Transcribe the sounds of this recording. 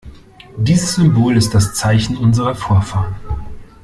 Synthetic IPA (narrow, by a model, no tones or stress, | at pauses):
diːzəsz̥ʏmboːlɪst̚d̥ast͡saɪçn̩ʊnzəʁɐfoːɐfaːʁən